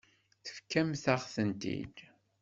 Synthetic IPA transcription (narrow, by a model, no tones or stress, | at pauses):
θə̥fkːæmθaʁθənt̪ḭd̪